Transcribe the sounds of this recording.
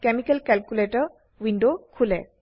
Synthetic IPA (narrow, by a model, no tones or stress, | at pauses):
kemikɛlkɛlkuleʈəɾ | winɖokʰulɛ̰